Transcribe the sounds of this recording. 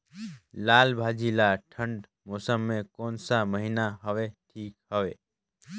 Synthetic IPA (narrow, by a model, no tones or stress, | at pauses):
laːlbʱaːd͡ʒilaʈʰə̃ɳɖ | moːsəmːẽkoːnsaməɦinaɦəʋeʈʰiːkhəʋeː